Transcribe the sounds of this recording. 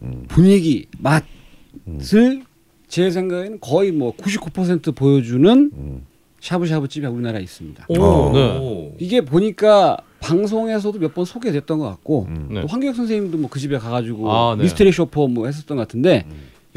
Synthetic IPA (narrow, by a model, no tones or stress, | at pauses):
puɲiɡimat̚ | sɯɭ | t͡ɕe̞s̬ʰe̞ŋɡaɡenɯnkʌimwʌkuɕʰip̚k͈upʰʌs̬ʰe̞ntʰɯpojʌd͡ʑunɯn | ɕʰabuɕ̬ʰabut͡ɕ͈ibeuɾinaɾais͈ɯmɲid̥a̰eiɡe̞poɲik͈apaŋs̬ʰoŋe̞s̬ʰʌdomjʌt̚p͈ʌnsʰoɡedwet͈ʌnɡʌk͈at̚k͈otoɸwaŋɡejʌksʰʌŋsʰeimdomwʌkɯd͡ʑibekaɡad͡ʑuɡois̬ʰtʰeɾikɕʰopʰʌmwʌhes̬͈ʌt͈ʌnɡk͈atʰɯnde̞